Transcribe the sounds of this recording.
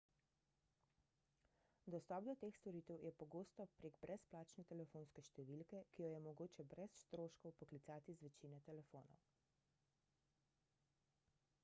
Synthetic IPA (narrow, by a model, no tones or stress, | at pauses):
d̪ɔst̪ɔpd̪ɔt̪eːxst̪ɔɾiːt̪ɛwjɛpɔɡoːst̪ɔpɾeːɡbɾʔɛsplaːt͡ʃnɛt̪ɛlɛfoːnskɛʃt̪ɛʋilkɛkijɔjɛmɔɡoːt͡ʃɛbɾɛsst̪ɾoːʃkɔwpɔklit̪saːt̪izʋɛt͡ʃiːnɛt̪ɛlɛfoːnɔ̰w